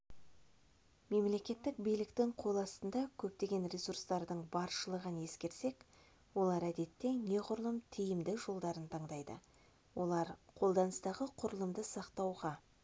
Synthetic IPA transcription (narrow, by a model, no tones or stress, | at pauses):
me̞mle̞kʲe̞t̪ːɪk̚bijlɪkt̪ɪŋqʰo̞lˠɑst̪ənd̪ɑkʲʰɵp̚t̪e̞ɡʲe̞nɾʲe̞suɾst̪ɑɾd̪əɴbɑɾʃəlˠəʁəne̞skʲe̞ɾse̞k | wo̞lˠɑɾæd̪e̞t̪ːe̞ne̞qʰʊɾəlˠəmt̪ʰijɪmd̪ɪʒo̞lˠd̪ɑɾənt̪ʰɑɴd̪ɑjd̪ə̰ | wʔo̞lˠɑɾqʰo̞lˠd̪ɑnəst̪ɑʁəqʰʊɾəlˠəmd̪əsɑqt̪ɑwʁɑ